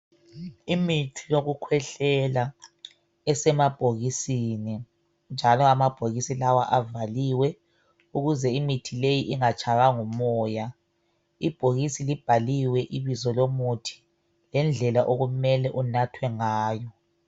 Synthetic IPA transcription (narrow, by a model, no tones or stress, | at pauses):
imitʰijoɣukʰwɛɬɛla | ɛsɛmab̥ʱoɣisini | nd͡ʒʱalɔamab̥ʱoɣisilawa̰ʔavaliwɛ | uɣuzɛimitʰilejiʔiŋat͡ʃʰʼaβaŋumɔːja | ib̥ʱoɣisilib̥ʱaliwɛʔiβizɔlomutʰi̥ | lɛnd͡ɮʱɛlaʔoɣumɛlɛʔunatʰwɛŋaːjɔ